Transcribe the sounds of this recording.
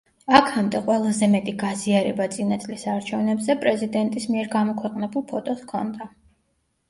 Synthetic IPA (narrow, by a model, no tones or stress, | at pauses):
akʰamd̪ɛqʼwɛlˠazɛmɛt̪ʼiɡaziaɾɛbat̪sʼinat̪sʼlisaɾt͡ʃʰɛvnɛbzɛpʼɾɛzid̪ɛnt̪ʼismiɛɾɡamɔkʰwɛqʼnɛbulˠpʰɔt̪ʼɔskʰɔnd̪a